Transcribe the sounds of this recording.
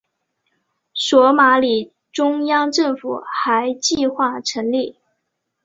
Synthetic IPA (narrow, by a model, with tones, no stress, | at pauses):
ʂwɔ˧˥ma˧˥li˨˩ | ʈ͡ʂʊ˥ŋjɑ˥ŋʈ͡ʂɤ˥˩ŋfu˨˩xa˧˥ɪt͡ɕi˥˧xwa˥˩ʈ͡ʂʰə˧˥ŋli˥˩